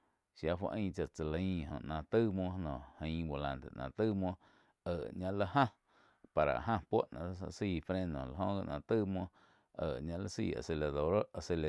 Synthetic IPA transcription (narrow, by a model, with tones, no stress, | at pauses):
ʃja˧fwa̰˧ʔə̃ː˦˧t͡ʃa˧ʔt͡sə˨la˨ĩ˦ɦõ̰˨nã˧t̪ɨ˦mwõ˧nɔ̃˨hə̃˧˦bo˨lã˧nt̪ḛ˨nã˨t̪ɨ˦mwõ˧ | əː˨ʔɲã˧la˦ʔhã˦ | pa˨ɾa̰˨ɦã˦˧pʷo˦ʔnã̰˧˨˦sa̰˧ʔsiː˧˨fɾe˦˧nd̪õ̰˨la˨ɦõ˧˦ɡa˧ʔnã˧t̪ɨ˦mwõ˧ | ə˨ʔɲã˧ʔla˦sḭː˧˨a̰˨se˧la˨ðo˨ɾa˧˨se˧le˨